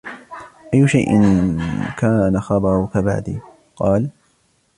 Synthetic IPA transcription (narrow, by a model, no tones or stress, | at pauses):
ʔajːʊʃajʔɪ̰nkaːnaxɑbɑɾˤʊkaba̰ʕd̪ḭː | qɑːl